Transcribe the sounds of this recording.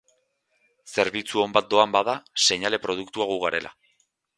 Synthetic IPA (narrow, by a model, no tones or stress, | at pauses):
se̞ɾβit͡suo̞mbat̪̚d̪o̞ambaðase̞ɲale̞pɾo̞ðukt̪uaɣuɣaɾe̞lʔa̰